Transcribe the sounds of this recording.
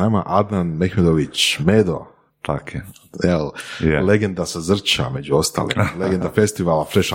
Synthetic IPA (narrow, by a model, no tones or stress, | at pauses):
aːma̰ʔad̪nanmexmed̪oʋit͡ɕmeːd̪o̞̰ | t̪ake | jelleɡend̪asazr̩t͡ʃa̰me̞d͡ʒuo̞st̪a̰ːlḭleɡend̪afest̪iʋalafɾeʃa